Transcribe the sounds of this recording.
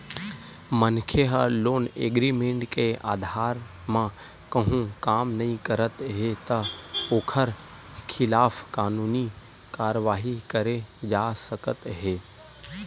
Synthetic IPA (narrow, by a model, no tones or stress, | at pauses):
mənkʰeɦəloːneːɡɾimẽɳʈkea̰ːd̪ʱaːɾ | mã | kɐɦũkaːmnɐɦĩkəɾət̪ɦet̪ɐoːkʰəɾ | kʰɪlaːfkaːnuːni | kaːɾəʋaːɦikəɾed͡ʒaːsəkət̪ɦeː